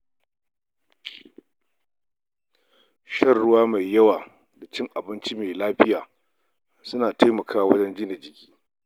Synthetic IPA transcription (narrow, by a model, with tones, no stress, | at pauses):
ʃɐ˦rːʊ˦waː˦ma˨jːɐ˦waː˨ | da˨t͡ʃɪ˦ŋʔa˨bɪ˦nt͡ʃi˦meː˨laː˦ɸɪ˦jaː˨ | sʊ˦naː˨ta˦jmɐ˨kʰaː˦wɐ̰˦d͡ʒɛ˦nd͡ʒɪː˦ne˨d͡ʒɪ˦kʲi̥ː˦